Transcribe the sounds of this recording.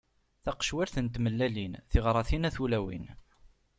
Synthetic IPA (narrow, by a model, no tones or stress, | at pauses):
θɑqʃwiɾθənt̪məlːælinθiʁɾˤɑθinæθulæwḭn